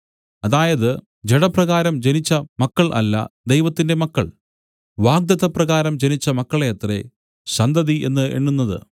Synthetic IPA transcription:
ɐðaːjɐðɨ | d͡ʑeɽɐprɐɣaːɾɐmd͡ʑenit͡ɕːɐmɐkːɐɭʔɐ̰lːɐ̰d̪ejʋɐt̪ːinde̞mɐkːɐ̰ɭ | ʋaːɡ̚d̪ɐðɐprɐɣaːɾɐmd͡ʑe̞nit͡ɕːɐmɐkːɐɭejɐt̪re̞̰ | ɕɐnd̪ɐðiʔe̞̰nːɨḛɳːunːɐðɨ̰

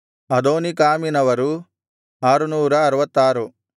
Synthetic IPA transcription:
ɐd̪oːnikaːminɐʋɐɾu | aːɾunuːɾɐːɾɐʋɐt̪ːaːɾu

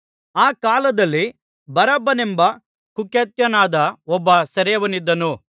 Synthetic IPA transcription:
aːkaːlɐd̪ɐlːi | bɐɾɐbːɐnembɐ | kukeːt̪jɐnaːd̪ɐɔbːɐsɐɾɛjɐʋɐnid̪ːɐnu

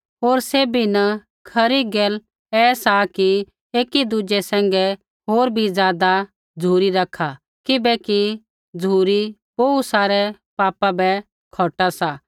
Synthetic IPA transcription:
ɦoːɾseːbʱinɐ | kʰɐɾiɡeːl | ɛːsaki | eːkid̪ʊd͡ʒɛsɛ̃ːŋɡɛ | ɦoːɾbʱizjaːd̪a | d͡zʱuːɾiɾɐkʰa | kɪbɛki | d͡zʱuːɾipoːusaːɾɛ | paːpabɛ | kʰoːʈasa

